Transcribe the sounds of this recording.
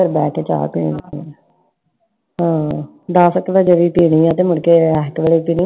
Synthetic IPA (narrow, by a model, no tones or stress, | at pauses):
əɾbɛːkeːt͡ʃa̰ːɾpḭːɽ̃ĩː | ɦãː | d̪aːsəkʋɛːd͡ʒeʋiːpiːɽ̃iːãːt̪eːmʊɳkeːɛːkʋeːɭiːpiːɳĩ